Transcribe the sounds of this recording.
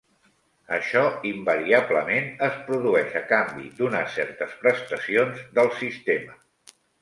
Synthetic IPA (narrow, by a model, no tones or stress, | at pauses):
əʃɔimbəɾiabləmenəspɾuðuɛʃəkambḭd̪unasɛɾt̪əspɾəst̪əsionzd̪əlˠsist̪emə